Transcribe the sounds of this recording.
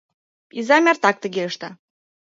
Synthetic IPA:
izɑmʲært̪ɑk̚t̪ə̆ɣeəʃt̪ə

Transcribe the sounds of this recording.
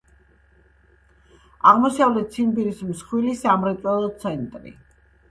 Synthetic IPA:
aʁmɔsavlɛt̪sʰinbiɾismsχwilisamɾɛt̪ʼwɛlˠɔt̪sʰɛnt̪ʼɾḭ

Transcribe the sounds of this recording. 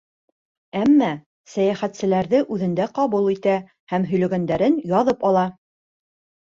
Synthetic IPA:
æmːæ | sæjæχæt̪sɘ̆læɾðɘʔʉðɘ̆nd̪æqɑβulˠit̪æ | hæmɦɵ̆jlɵ̆ɡænd̪æɾɘnjɑðɤpɑlˠɑ

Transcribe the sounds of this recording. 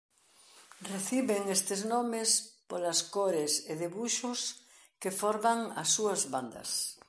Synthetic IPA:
reθiβeŋest̪eznomespolaskoɾeseðeβuʃʊs | kefoɾmaŋasːuɐzβand̪ɐ̰s

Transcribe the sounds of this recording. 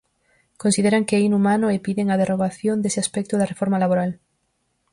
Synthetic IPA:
konsiðeɾaŋkeinumanʊepiðeŋað̞eroɣaθjõnd̪esɪaspɛk̚t̪ʊðɐrefoɾmalaβoɾal

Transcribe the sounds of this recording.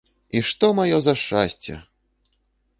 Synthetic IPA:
iʂt̪ɔmajɔzɐʂt͡ʂa̰sʲt͡sʲɛ̰

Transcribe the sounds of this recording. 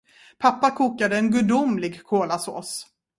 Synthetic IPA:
pʰapːakʰuːkad̪əɛnɡɵd̪ʊmlɪɡkʰoːlaso̰ːs

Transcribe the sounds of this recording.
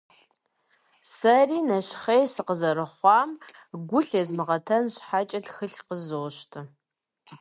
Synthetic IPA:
sɐriːnɐɕχejsɨqəzɐrɨχʷɑːm | ɡʷʊɬezmɨʁɐtʰɐnɕħat͡ʃʼɐtxɨɬqəzoːʃtʰɨ

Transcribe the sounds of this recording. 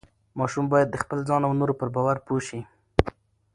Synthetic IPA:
mɑʃumbɑjad̪ːəxpəlzɑnawnoɾopəɾbɑwaɾpoʃi

